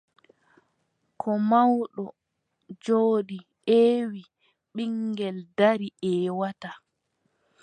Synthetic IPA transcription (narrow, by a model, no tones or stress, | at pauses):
kʰɔmawɗɔ | d͡ʒoːɗi | eːwi | ɓiŋɡɛldaɾiʔɛːwata